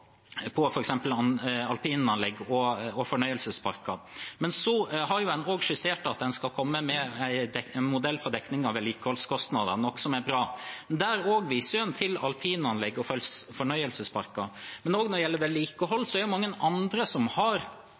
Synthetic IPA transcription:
pʰɔfɔɾɛksɛmpəlɑnɑlpʰiːnɑnlɛɡːɔɔfɔɳœʏəlsəspʰɑɾkɑ | mɛnsɔɦɑɾjʊɛnoːɡʂɪseːʈɑt̪̚d̪ɛnskɑlkʰɔmːəmɛæɪd̪ɛɛnmʊd̪ɛlːfɔɾɖ̪ɛknɪŋɑʋɛliːkəhɔlskʰɔst̪nɑd̪ənɔkːsɔmæbɾɑːmɛnd̪æɾoːɡʋiːsəɾɛnt̪ʰɪlɑ̰lpʰiːnɑnlɛɡːɔfɔlsfɔɳœʏəlsəspʰɑɾkɑmɛnoːɡnɔdjɛlːəʋɛlːiːkəɦɔlːsɔɛæɾjʊmɑŋːənɑnd̪ɾəsɔmhɑɾ

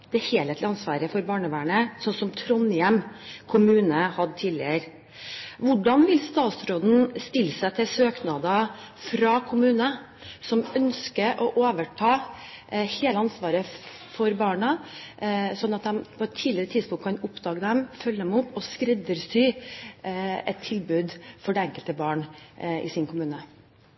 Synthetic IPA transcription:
d̪̥ɛheːlɛːt̪lɑnsʋɑ̰ːɾəfɔɾbɑːɳəʋæːɳəsɔnsɔmt̪ʰɾɔnɪɛmkʰʊmʉːnəhɑd̪t̪ʰiːlɪ̰əɾ | ʋʊɖɑnʋɪlst̪ɑːt̪sɾoːd̪n̩st̪ɪlːəsæɪt̪ʰɪlsøːknɑd̪ɑfɾɑkʰʊmʉːnə | sɔmœnskəɾʔɔʔoːʋəʈʰɑː | heːləɑnsʋɑːɾə | fɔɾbɑːɳɑ | sɔnːɑt̪̚d̪ɛmpʰɔɛt̪ʰːiːlɪɾət̪ʰɪd̪spʊŋt̪kʰɑnʊpd̪ɑːɡəd̪ɛmfœlːəd̪ɛmʊpːɔskɾɛd̪əɾst̪yː | ɛt̪ʰːɪlbʉːd̪fɔɖɛɛŋkəlt̪əbɑːɳɪ̰sɪnkʰʊmʉːnə

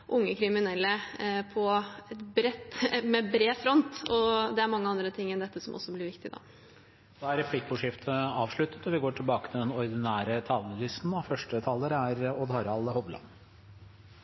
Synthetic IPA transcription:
ʔʊŋːəkʰɾɪmɪnɛlːəpʰɔɛt̪bɾɛt̪ːmɛbɾeːfɾɔnt̪ɔd̪ɛæɾmɑŋːəɑnd̪ɾət̪ʰɪŋːɛnd̪ɛt̪ːəsɔmʔɔ̰sːɔblɪɾʋɪkt̪ɪd̪ɑ̰ː | d̪ɑæɾɛpʰlɪk̚bʊʂɪft̪ʰəɑːʋʂɭʉt̪ːət̪ɔʋɪɡoːʈʰɪlbɑːkət̪ʰɪld̪ɛnɔɾɪd̪ɪnæːɾət̪ʰɑːləlɪst̪n̩ɑfœʂʈət̪ʰɑːləɾəæɾɔd̪hɑɾɑlhɔʋlɑ̰n

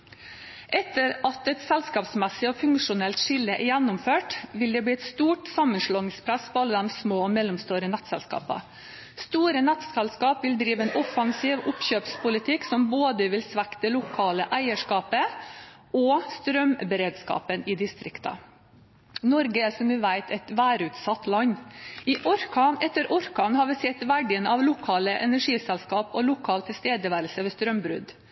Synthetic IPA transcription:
ʔɛt̪ːəɾɑt̪ɛt̪sɛlskɑːpsmɛsːɪɔːfʉŋkʂʊnɛlt̪ʂɪlːəʔɛjænːʊmføːʈʋɪld̪ɛːbɽiːɛt̪st̪uːʈsɑmːənʂlɑːnɪŋspʰɾæsfɔɾɑlːəd̪ɛmsmoːɔmɛlɔmst̪uːɾənæt̪sɛ̰lskɑ̰ːpɑ̰ | st̪uːɾənɛt̪sɛlskɑːpʋɪld̪ɾiːʋəɛːnʔɔfɑŋsiːʋʊpçøːpspʰʊlɪt̪ʰɪksɔmboːd̪əʋɪlsʋækt̪əlʊkʰɑːləʔæɪəʂkɑːpə | ɔst̪ɾœmbɛɾeːd̪skɑ̰ːpənɪd̪ɪst̪ɾɪkt̪ɑ̰ | nɔɾɡəæsɔmʋɪʋæɪt̪ʰɛt̪ʋæːɾʉːt̪sɑt̪ːlɑɲːɪʔɔɾkɑnɛt̪ːəɾɔɾkɑnhɑɾʋɪsɛt̪ʋæɖɪənɑʋlʊkʰɑːləʔɛ̰næʂiːsɛlskɑːpɔlʊkʰɑːlt̪ʰɪlst̪eːd̪əʋæɾlsəʋɛːst̪ɾœmbɾʉ̰d̪

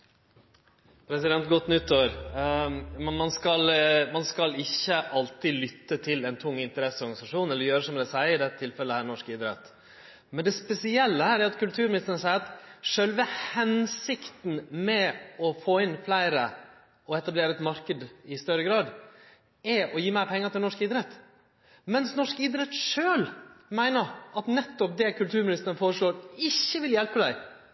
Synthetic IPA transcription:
pʰɾɛsɪd̪ɛnt̪̚ɡɔt̪ːnʏt̪ːoːɾ | mɑnskɑlmɑnskɑlɪçːəʔɑlt̪ɪlʏt̪ːət̪ʰɪlɛɪnt̪ʰʊŋːɪnt̪əɾɛsːɔɾɡɑnɪsɑʂuːnɛlːəɾjøːɾəsɔmd̪æsæɪɪd̪ɛt̪ːət̪ʰɪlfɛlːəhæːɾnɔʂkɪd̪ɾɛt̪ː | mɛnd̪ɛspɛsɪɛlːəhæːɾæɾɑt̪kʉlt̪ʰʉːɾmɪnɪst̪ənəsæɪɾɑt̪ʂœlʋəhɛnsɪkt̪n̩mɛɔfoːɪnflæɪɾə | ɔɛt̪ɑbleːɾəɛt̪mɑɾkəd̪ɪst̪œɾəɡɾɑːd̪ | ɛɔjiːmæɪɾpʰɛŋːət̪ʰɪlnɔʂkɪd̪ɾɛt̪ː | mɛnsnɔʂkɪd̪ɾɛt̪ʂøːlmæɪnəɾʔɑt̪nɛt̪ːɔp̚d̪ɛkʰʉlt̪ʰʉːɾmɪnɪst̪ənəfoːɾəʂɭoːɾɪçːəʋɪljɛlpəd̪æɪ

